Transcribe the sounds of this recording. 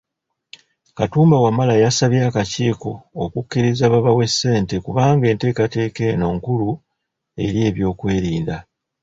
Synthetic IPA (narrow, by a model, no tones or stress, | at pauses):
katuːmbawamalajasaβjaːkaciːko̞okukːiɾizaβaβawe̞sːe̞ːnte̞kuβaːŋɡe̞ːnte̞ːkate̞ːke̞no̞ːŋkulu | e̞ɾje̞ːβjo̞ːkwe̞ːɾiːnda